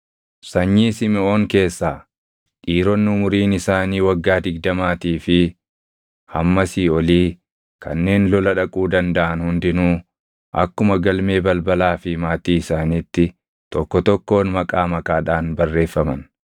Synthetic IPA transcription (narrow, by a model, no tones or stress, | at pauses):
sɐɲːiːsɪmɪoːŋke̞ːsːaː | ᶑiːɾɔnːɪʊmʊɾiːnɪsaːniːwɐɡːaːd̪ɪɡ̚d̪ɐmaːt̪iːfɪ | hɐmːɐsiːɔliː | kʰɐnːe̞ːnlɔlɐᶑɐkʼuːd̪ɐnd̪ɐʔɐnhʊnd̪ɪnuː | ʔɐ̰kːʊmɐɡɐlme̞ːbɐlbɐlaːfɪmaːt̪iːɪsaːniːt̪ːɪ | t̪ɔkːɔt̪ɔkːo̞ːnmɐkʼaːmɐkʼaːᶑaːnbɐrːe̞ːfːɐmɐn